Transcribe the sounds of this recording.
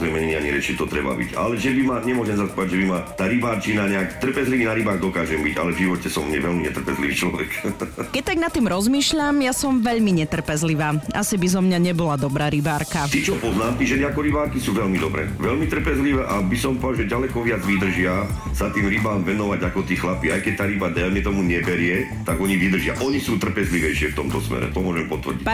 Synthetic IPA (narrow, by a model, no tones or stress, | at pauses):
ɛmɛɲɛɲiaɲiɾɛt͡ʃit̪ɔt̪ɾɛ̰ba̰bḭca̰lɛʒɛbimaɲɛmɔʒɛmsapɔaɟʒɛbimat̪aːɾibaːɾt͡ʃinaɲɛakt̪r̩pɛzliʋiːnaɾibaːɣd̪ɔkaːʒɛmbiɟa̰lɛvʒiʋɔcɛsɔmɛ̰ʋɛlmiɲɛt̪r̩pɛzliʋiːt͡ʃlɔʋɛkkɛc̚t̪aɡnat̪ːiːmɾɔzmiːʃʎamjasɔmʋɛʎmiɲɛt̪r̩pɛzliʋaːa̰sibizɔmɲaɲɛbɔlad̪ɔbɾaːɾibaːɾkat̪iːt͡ʃɔpɔznaːmt̪iʒɛniakɔɾibaːɾkisuːʋɛʎmid̪ɔbɾɛ̰ːʋɛʎmit̪r̩pɛzliʋɛːʔabisɔmpɔʒɛɟalɛkɔʋɪad͡zʋid̪r̩ʒɪasat̪iːmɾibaːmʋɛnɔʋaɟakɔt̪iːxlapiajkɛc̚t̪aːɾibad̪ɛlmɛt̪ɔmuɲɛbɛɾɪɛ | t̪aɡɔɲiʋid̪r̩ʒɪa̰ʔɔɲisuːt̪r̩pɛzliʋɛjʃɪɛft̪ɔmt̪ɔsmɛ̰ɾɛ̰t̪ɔmʊɔʒɛmpɔt̪ʋər̩ɟic